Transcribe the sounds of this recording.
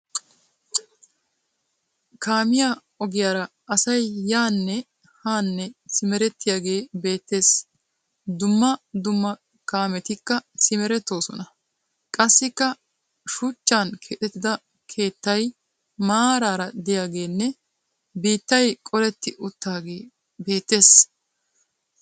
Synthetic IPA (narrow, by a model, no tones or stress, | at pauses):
kaːmɪja | ɔɡɪjaːɾɐ | ʔɐsɐjːaːnːɛ | haːnːɛsɪmɛɾɛt̪ːɪjaːɡe̞ːbe̞ːt̪ːe̞ːs | d̪ʊmːɐd̪ʊmːɐ | kaːmɛt̪ɪkːɐsɪmɛɾɛt̪ːo̞ːsɔnɐ | kʼɐsːɪkːɐ | ʃʊt͡ʃːankʰeːt̪ɛt̪ːɪd̪ɐ | kʰe̞ːt̪ːɐj | maːɾaːɾɐd̪ɪjaːɡe̞ːnːɛ | biːt̪ːɐjkʼɔlɛt̪ːɪʔʊt̪ːaːɡe̞ː | be̞ːt̪ːe̞ːs